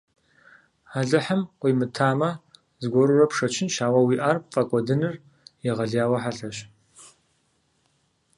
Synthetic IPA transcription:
aɮɨħəmqʷiːmɨtʰaːmɐ | zɡʷɔɾurɐpʂɐt͡ʃʰɪnʃaːwɐwiːʔaːrfʼɐkʷʼɔdɨnɨr | jɛʁɐɮjaːwɐħaɬɐɕ

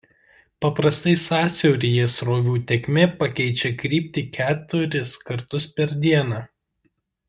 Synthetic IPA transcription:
pɐpɾɐst̪ɐɪsɑːsʲɛʊɾʲijeːsɾoːʋʲuːt̪ʲɛkʲmʲeːpɐkʲɛɪt͡ʃʲɛkɾʲiːpʲt̪ʲɪkʲæːt̪ʊɾʲɪskɐɾt̪ʊspʲɛɾʲd̪ʲiɛnɑː

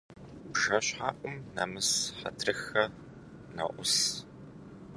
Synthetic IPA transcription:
bʒɐɕħaːʔʷʼʊmna̰ːmɨsħɐ̰tʰrɨxɐ | nɐ̰ʔʷʊs

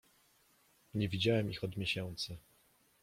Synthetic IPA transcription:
ɲɛvʲid͡ʑawɛmixɔd̪mʲjeɕɛnt̪sɘ

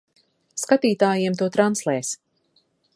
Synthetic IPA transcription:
skat̪iːt̪aːjiɛmt̪̬uɔt̪ɾanslˠɛːs

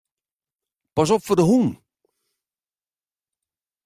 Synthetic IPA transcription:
pas̬ɔpfodəɦun

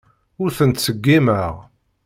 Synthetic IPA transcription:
ʊɾθənt̪səɡːiməʁ

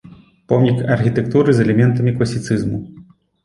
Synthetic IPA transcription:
pɔmnʲikɐrxʲit̪ɛk̚t̪uɾɨzɛlʲɛmʲɛnt̪ɐmʲiklˠɐsʲit̪sɨzmu

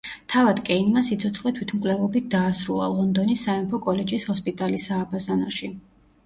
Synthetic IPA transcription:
t̪ʰavad̪kʼɛinmasit̪sʰɔt̪sʰʼχʼlɛt̪ʰwit̪ʰmkʼwlɛvɔbit̪̚d̪aːsɾulˠa̰lˠɔnd̪ɔnisːaɛmpʰɔkʼɔlɛd͡ʒishɔspʼit̪ʼalisaːbazanɔʃi

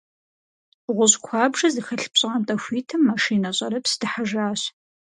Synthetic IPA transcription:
ʁʷʊɕkʷʰɑːbʐɐzɨxɐɬpɕʼantʼɐxʷiːtʰɐmːɐʃiːnɐɕʼɐɾɐpsɨdɨħaʒaːɕ

